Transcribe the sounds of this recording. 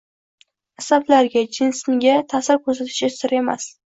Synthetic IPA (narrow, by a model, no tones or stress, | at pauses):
asablaɾɡʲad͡ʒɪnsmɪɡʲat̪ʰasɪɾkʰɵɾsat̪ʰɪ̥ʃʲasɪɾe̞ma̰s